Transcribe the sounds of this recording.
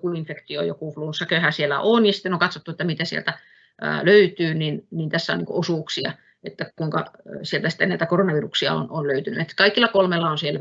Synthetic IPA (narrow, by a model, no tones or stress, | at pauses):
kuinfekt̪io̰jo̰kuˑfluːnsːɑkøhæsielːˑæ̰ʔonjɑsi̥t̪ːenoŋkɑt̪sot̪ːuet̪ːæmit̪æsiḛlt̪æ̰ | løyt̪yːninniːnt̪æsːæo̰niːko̰ʔosuːksiɑ̰ | et̪ːækuiŋkɑsielt̪æsi̥t̪ːenæit̪ækoronɑʋiːruksiɑ̰o̰nonløyt̪ynyet̪ːkɑikːilːɑkolmelːɑonsielː